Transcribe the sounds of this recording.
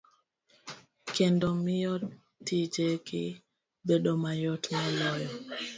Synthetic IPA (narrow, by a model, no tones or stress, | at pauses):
kɛndɔmijɔ | id͡ʒeki | beɗɔmajɔtmalɔjɔ